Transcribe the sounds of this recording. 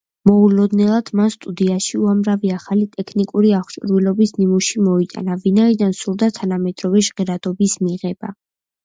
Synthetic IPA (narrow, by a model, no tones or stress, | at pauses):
mɔulɔd̪nɛlˠad̪̥manst̪ʼud̪iaʃiuamɾaviaχalit̪ʼɛkʰnikʼuɾiaχt͡ʃʼɾwilɔbisnimuʃimɔit̪ʼa̰navinaid̪ansuɾd̪at̪ʰanamɛd̪ɾɔvɛʒʁɛɾad̪ɔbismiʁɛba